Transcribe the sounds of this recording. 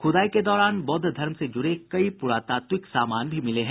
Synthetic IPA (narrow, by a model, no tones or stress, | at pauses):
xʊd̪aːiked̪ɔːɾaːnbɔd̪ʱd̪ʱɐɾmsed͡ʒʊɾekɐipʊɾaːt̪aːt̪wɪksaːmaːnbʱimɪleɦɛ̃